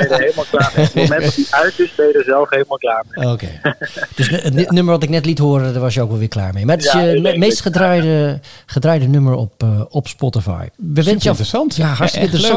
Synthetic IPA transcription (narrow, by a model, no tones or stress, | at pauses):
elˠmalˠklamɛɔdiaɥtɪsbejdəzɛlˠfhelˠmalˠklaːɹmeoːkʰḛd̥øsətnøməɹʋɔtɪknɛtlithoərədəʋɔsjəokʋɔlˠʋɪːkla̰ːɹmejmatɪjəmeːstχədrajdə | χədrajdənøməɹɔ̰pɔpspɔtəfa̰jʋəʋɪnsjntjaɦaɹtəkɪ̃ntərəss